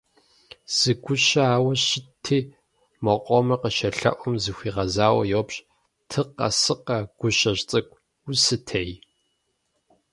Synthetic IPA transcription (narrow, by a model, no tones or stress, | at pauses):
z̥ɨɡʷʊɕɐaːwɐɕɪtʰiː | mɐqʷʼɔmɐqəʃɐɬɐ̰ʔʷɔmzɨxʷiːʁɐzaːwɐ̰jopɕʼ | tʰɨqɐ̰sɨqɐɡ̥ʷʊɕɐɕt͡sʼɐkʷʼ | usɨtʰej